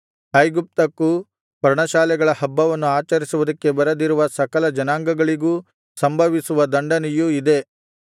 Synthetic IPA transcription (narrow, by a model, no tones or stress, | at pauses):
ɐjɡup̚t̪ɐkːu | pɐɾɳɐʃaːlɛɡɐɭɐhɐbːɐʋɐnːuaːt͡ʃɐɾisuʋud̪ɐkːe̞bɐɾɐd̪iɾuʋɐsɐkɐlɐd͡ʒɐnaːŋɡɐɡɐɭiɡuː | sɐmbʱɐʋisuʋɐd̪ɐɳɖɐnɛjuid̪e̞